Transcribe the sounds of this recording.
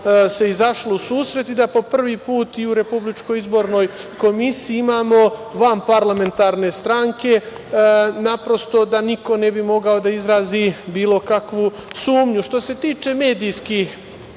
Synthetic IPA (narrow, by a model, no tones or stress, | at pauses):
se̞izaʃlousuːsɾe̞t̪id̪apo̞pr̩ʋipuːt̪iuɾe̞publit͡ʃkojizbo̞ɾno̞jko̞misiːimaːmo̞ʋampaɾlame̞nt̪aɾne̞st̪ɾaŋke̞ | napɾo̞st̪o̞d̪aniko̞ne̞bimo̞ɡao̞d̪aizɾaːzibiːlˠo̞kakʋu | suːmɲuʃt̪o̞se̞t̪iːt͡ʃe̞me̞ːd̪ijskix